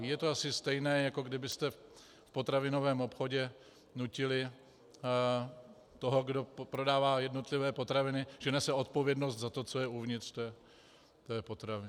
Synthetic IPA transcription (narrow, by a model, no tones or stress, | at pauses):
jɛt̪oasɪst̪ɛjnɛːjako̞ɡdɪbɪst̪ɛ | fpo̞t̪ɾavɪno̞vɛːmo̞pxo̞ɟɛ | nucɪlɪ | t̪o̞ɦo̞ɡdo̞pɾo̞daːvaːjɛdno̞t̪lɪvɛːpo̞t̪ɾavɪnɪʒɛnɛsɛo̞t̪̚po̞vjɛdno̞st̪zat̪o̞t͡so̞jɛuvɲɪt̪r̥t̪ojɛ | t̪ojɛpo̞t̪ɾavɪ